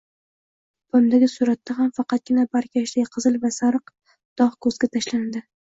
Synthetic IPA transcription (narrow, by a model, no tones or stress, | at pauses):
b̥ʊmd̪aɡʲɪsʊɾat̪ʰːaɦamfɑqɑt̪̚ɡʲɪnabaɾkʲʰaʃlajqʰɨzɨlˠvasaɾɨq | d̪̥ɒχkʰɵzɡʲat̪ʰaʃland̪ɪ